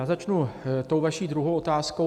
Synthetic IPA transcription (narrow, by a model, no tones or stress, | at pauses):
aːzat͡ʃnut̪o̞wvaʃiːd̪ɾuɦowʔo̞t̪aːsko